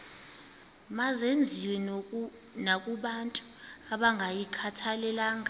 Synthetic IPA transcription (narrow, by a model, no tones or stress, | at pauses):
mazend͡zʱiwɛ | nakʼuɓantʼu̥aɓaŋɡʱajikʰatʰalɛlaːŋa